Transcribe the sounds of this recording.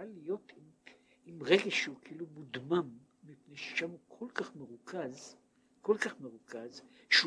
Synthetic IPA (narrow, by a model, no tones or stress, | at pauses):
alijo̞tim | imʁeɡeʃeukʰiilumud̪mamːipnejʃe̥ʃamukʰolkaχmeʁukʰaz | kolkaχme̞ʁukʰazʃe